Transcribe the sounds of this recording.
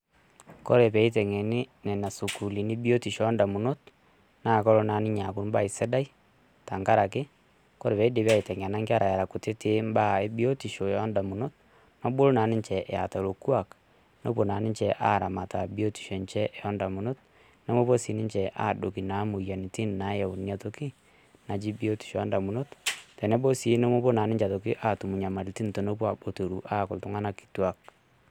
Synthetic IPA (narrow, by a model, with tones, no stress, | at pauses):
ko˦ɾe˨pɛ˨˦i˦t̬ɛ˨ŋe˨ni˦nɛ˨na˨su˨ku˨li˨ni˦bi˦o˦ti˨ʃɔ˨˦nda˨mu˨no˦t | na˦˨kɔ˦ɾo˦na˨ni˦ɲa˨ku˦mba˦˨i˨se˦da˦i˦ | ta˨ŋka˦ɾa˨k̬e˦ | ko˦ɾe˨pɛ˨˦i˦de˨pa˦i˨tɛ˨ŋ˨na˦ŋɡa˦ɾa˨ja˨ɾa˨ku˨te˦te˦mba˦e˦bi˦o˦ti˨ʃo˨ɔ˦nda˨mu˨no˦t̚ | no˦bo˦lo˦na˨ni˦ɲt͡ʃɛ˨ʔa̰˨ta˨lo˨kwa˨k | no˦po˨na˨nɪ˦nt͡ʃɛ˨ʔa̰ː˦˨ɾa˨ma˨ta˨bi˦o˦ti̥˨ʃe˨nt͡ʃɛ˦ʔɛ˨jɔ˦nda˨mu˨no˦t̚ | nɛ˦mo˦bo˦si˨˦nɪ˦nt͡ʃɛ˨ʔa̰˦˨do˨ki˨na˨˦mu˨ja˨ni˨ti˦nna˨˦jɛ˨u˨nja˨to˦ki˦ | na˨d͡ʒi˦bi˦o˦ti̥˨ʃo˨jɔ˦nda˨mu˨no˦ttɛ˨nɛ˦bo˦si˨˦ne˦mo˦bo˦na˨nɪ˦t͡ʃa˨to˨ki˦ʔa˦˨tu˨mu˨ɲa˨ma˨ɾi˨ti˦nto˨no˦pwa˨bo˨to˨ɾu˨ʔa˦kʊ˨ltʊ˦ŋa˦na˦ki̥˨twa˨k̚